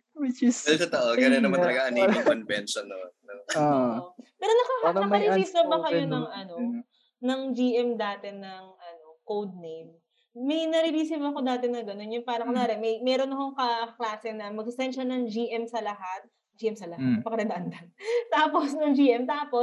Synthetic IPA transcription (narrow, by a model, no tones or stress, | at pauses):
wɪt͡ʃɪsɐlk̪ɐt̪ɐʔoɡɐnonɐmant̪ɐlɐɡaɐnioɐnbɛnʃɐnonɐopɛːɾonɐkɐhnɐkɐɾisisɐbɐkɐjonɐŋɐno̞ | nɐŋd͡ʒiːʔɛmd̪aːt̪ɛnɐŋʔɐno̞kowd̪̚nejmː | ɐjnɐɾiɾisɪvɐko̞d̪aːt̪ɪnːɐŋɡɐno̞njʊŋpaːɾɐkonaːɾɛmɐjmɛːɾo̞nːɐkoŋkɐklaːsɛnɐmɐɡ̚ɪsɛnʃɐnɐŋd͡ʒiːʔɛmsɐlɐɦat̪̚ | d͡ʒiːʔɛmsɐlɐhat̪pɐkɐɾɐd̪ɐʔɐnd̪ɐnt̪aːposnɐŋd͡ʒiːʔɛmt̪aːpo̞s